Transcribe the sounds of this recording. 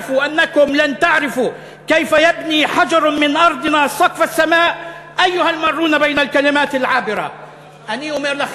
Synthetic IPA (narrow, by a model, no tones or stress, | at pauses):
fuʔanːakʊmlant̪aʕɾɪfu | kajfajabniːħad͡ʒɑɾˤmɪnʔɑɾˤd̪ˤɨnasˤɑqfasːamaːʔʔajːʊhalmɑrˤːuːnabajnalkalɪmaːt̪alʕaːbɪɾa̰ | ʔaniːʔʊmɪɾla